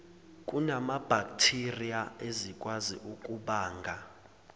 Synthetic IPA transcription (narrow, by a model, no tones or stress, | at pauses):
kʼunamab̥ʱakʼtʰirijaezikʼwazḭʔukʼuɓaːŋɡʱa